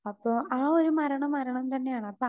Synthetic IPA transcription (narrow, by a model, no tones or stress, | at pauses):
ɐpːoːʔaːoɾumɐɾɐɳɐmːɐɾɐɳɐmt̪ɐnːe̞jaːɳɨɐpːo